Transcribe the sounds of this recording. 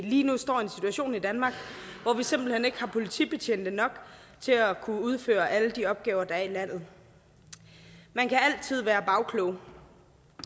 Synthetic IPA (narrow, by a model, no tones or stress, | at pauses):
liːnusd̥ɒ̰ːe̝nsi̥t͡sʰuæɕo̝̰ːnid̥ænmɑ̈ːɡ̥ʋɒʋise̝mb̥l̩hene̝ɡ̥hɑ̈pʰo̝lit͡sʰḭb̥e̝t͡ɕʰen̰d̥ənɒ̽ɡ̥ | t͡sʰe̝ækʰuuð̞ˠfø̰ːɐʔæləd̥iɒ̽b̥̚ɡ̥ɛːʊɐd̥ɑ̈æɐilæn̰ð̩ˠ | mænkʰææl̰t͡sʰið̞̰ˠʋæːɐb̥ɑ̈ʊkʰlɔʊ